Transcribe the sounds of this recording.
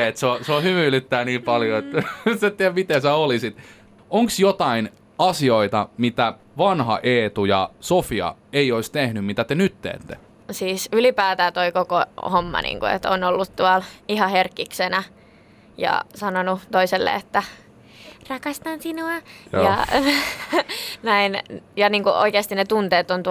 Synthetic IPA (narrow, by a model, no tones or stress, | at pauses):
et̪seoseohymylyt̪ːæːniːmpɑljoet̪set̪t̪ːiæmit̪esæolisit̪ | oŋksjot̪ɑin | ɑsioit̪ɑmit̪æ | ʋɑnhɑ̰ʔeːt̪ujɑ̰sofiɑ̰eioist̪ehnymmit̪æt̪enyt̪ːḛːt̪ːḛ | siːsylipæːt̪æːt̪oikokohomːɑ̰nḭːŋkṵḛt̪o̰nolːut̪t̪uɑlihɑherkːiksenæ | jɑ̰sɑnonut̪oiselːḛet̪ːæ | rɑkɑst̪ɑnsinuɑj̰ɑ̰ | næinjɑniːŋkuʔo̰ikeːst̪inet̪unt̪eːt̪ont̪